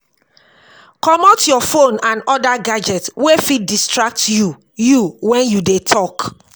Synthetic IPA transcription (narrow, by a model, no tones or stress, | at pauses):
kɔmɔtjɔfõnãnɔdaɡad͡ʒɛtwefidistɹak̚tju | juwɛ̃njudetʰɔk